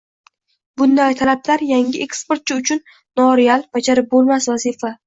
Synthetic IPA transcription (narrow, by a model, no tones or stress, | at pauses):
bʊnd̪ajt̪ʰalablaɾjaŋɪʔekspoɾt̪̚t͡ʃʰɪʊt͡ʃʰʊnː | ɒɾealˠb̥ad͡ʒaɾɪp̚bolˠmasvazifa